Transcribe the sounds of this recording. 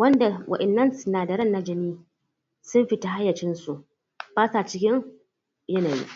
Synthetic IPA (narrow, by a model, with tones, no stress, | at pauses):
wɐ˦nda˨wʔɐ̰˨ʔɪ˨nːɐ˦nsʊ˨naː˨dɐ˨ɾɐ˦˨nːa˦d͡ʒɐ˦niː˦ | sʊ˦mɸi˦ta˦ɦa˦jːɐ˨t͡ʃɪ˦nsu˨ʔ | baː˦saː˨t͡ʃɪ˦kʲɪ˦ŋ | jɐ˦naː˨jḭ˦ʔ